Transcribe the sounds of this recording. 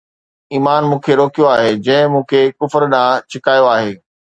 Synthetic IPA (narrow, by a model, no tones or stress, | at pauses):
iːmaːnmũːkʰeɾoːkijoaːɦed͡ʑɐ̃ɦɪ̃mũːkʰekʊfəɾɗãt͡ɕʰɪkaːjoaːɦeː